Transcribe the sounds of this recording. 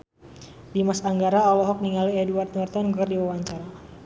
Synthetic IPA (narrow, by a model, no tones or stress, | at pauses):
dimasaŋɡaɾaɔlɔɦɔk̚niŋaliɛduart̪̚nɔrt̪ɔnɡɔrdiwawaɲt͡ʃaɾa